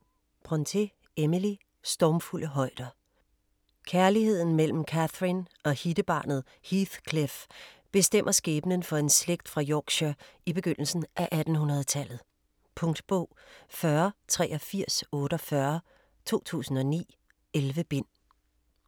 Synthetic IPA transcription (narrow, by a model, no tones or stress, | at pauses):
b̥ʰʁɒnt͡sʰe̝ | eməli | sd̥ɒmfulʔəɦɒ̽ɪ̰d̥ɐ | kʰæɐlihe̝ð̞̰ˠn̩mel̰m̩kʰæθʁinɒ̽hid̥əb̥ɑ̰̈ːnð̩ˠ | hiθkʰlefb̥e̝sd̥em̰ʔɐsɡ̥eːb̥ənənfɒ̽e̝nsleɡ̥̚d̥fʁɑ̈jɒːɡ̥ɕøib̥e̝ɡ̥øn̰l̩sn̩ʔæʔæd̥n̩hunʁɐð̞ˠt͡sʰælð̞̩ˠ | pʰɔ̽ŋd̥b̥ɔ̰ːfɶɐt͡sʰʁɛ̰ːʔɒ̽fiɐ̰sɔ̽ːɾ̥əɒ̽fɶɐ | t͡sʰo̝̰ːt͡sʰṵːsn̩ɒ̽nḭː | elʋəb̥e̝n̰